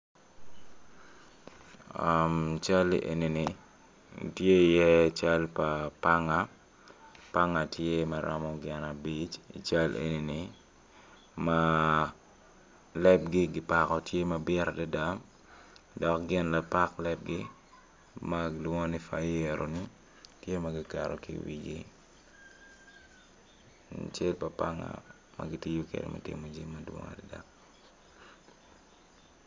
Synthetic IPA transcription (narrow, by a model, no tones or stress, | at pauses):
amt͡ʃalḭʔḛninḭ | tjeijɛt͡ʃalpapaŋa | paŋatjemaɾʔa̰mɔɡɛnabit͡ʃḭt͡ʃalʔḛnini | ma | lɛp̚ɡiɡɪpakɔtjemɐbɪɾadɛdam | dɔkɡɪnlɐpaklɛp̚ɡɪ | maɡdwɔŋonɪfajeɾonɪ | tjemɐɡɪkaɾɔ̰kḭwḭɡi | t͡ʃelpɐpaŋa̰ | mɐ̰ɡɪtijukɛ̰d̰mɐ̰tḭmod͡ʒimːɐdwɔ̰ŋa̰dada̰m